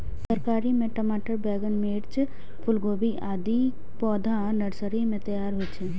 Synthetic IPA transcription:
səɾkaːɾimẽʈəmaːʈəɾbɛːɡənmeːɽt͡ʃ | pʰʊlɡoːbiʔaːd̪i | pɔːd̪ʱa | nəɾsəɾimẽt̪əjaːɾɦot͡ʃʰɛ

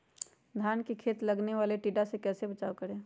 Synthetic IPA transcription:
d̪ʱjaːnkikʰeːt̪lɐɡneʋaːleʈiːɖasekɛːsebət͡ʃaːokəɾẽː

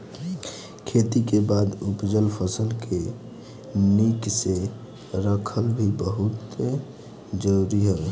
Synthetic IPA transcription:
kʰet̪ikebad̪upd͡ʒəlpʰəsəlke | nikse | ɾəkʰəlbʱibəɦut̪e | d͡ʒəɾuɾiɦə

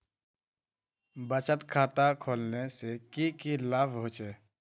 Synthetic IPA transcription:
bət͡ʃət̪kʰaːt̪akʰoːlnesekikilaːbɦoːt͡ʃeː

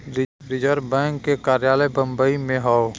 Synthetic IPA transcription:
ɾɪ | ɾɪd͡ʒəɾbɛ̃ːŋkːekaːɾjaːləjbə̃mbəimẽɦao

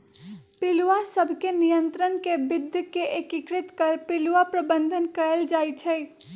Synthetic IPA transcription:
pɪluʋasəbʱkenijə̃nt̪ɾənkebɪd̪ʱjkeʔekikɾɪt̪kəɾpɪluʋapɾəbə̃nd̪ʱənkəɾəld͡ʒaːit͡ʃʰɛ

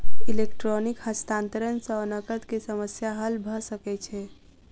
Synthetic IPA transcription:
ilekʈɾonikhəst̪aːnt̪əɾənsənəkət̪kisəməsjaɦəlbʱəsəket͡ʃʰɛ

